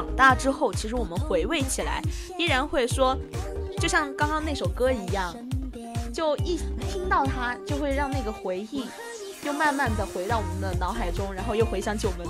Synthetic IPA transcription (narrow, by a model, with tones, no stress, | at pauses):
ŋt̪a˥˩ʈ͡ʂɻ̩˥xo˥˩ʊt͡ɕʰi˧˥ʂɻ̩˧˥wɔ˨˩mə˦nxwe˧˥ɪwe˥˩ɪt͡ɕʰi˨˩la̰˧˥ɪi˥ɻa˧˥nxwe˥˩ɪʂwɔ˥t͡ɕjo˥˧ʊɕjɑ˥˧ŋkɑ˥ŋkɑ˥ŋna˥˩ɪʂo˨˩ʊkɤ˥i˧˥jɑ˥˩ŋ | t͡ɕjo˥˧ʊi˥˩˨t̪ʰi˥ŋt̪ɑ˥˩ʊt̪ʰa˥t͡ɕjo˥˧ʊxwe˥˧ɪɻɑ˥˧ŋna˥˩ɡə˩xwe˧˥ɪi˥˩ | t͡ɕjo˥˧ʊma˥˧nma˥˩nd̪ə˩xwe˧˥ɪt̪ɑ˥˩wɔ˨˩mə˦nd̪ə˧nɑ˧˥ʊxa˨˩ɪʈ͡ʂʊ˥ŋɻa˧˥nxo˥˧ʊjo˥˩ʊxwe˧˥ɪɕjɑ˧˥ŋt͡ɕʰi˧˥wɔ˨˩mə˦n